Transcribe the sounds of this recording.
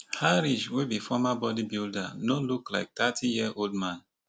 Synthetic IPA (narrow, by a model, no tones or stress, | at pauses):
haɹiʃwebifɔmabɔdibildanolukla̰ɪk̚t̪atʰijiʔoldmãn